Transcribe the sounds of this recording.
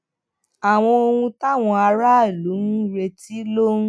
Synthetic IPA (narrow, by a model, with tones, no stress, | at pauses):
a˨w̃ɔ̃˧o˧hũ˧ta˦˨w̃ɔ̃˧a˧ɾa˦e˨lu˨˦nũ˦ɾe˧ti˦lo˦ñ̩˦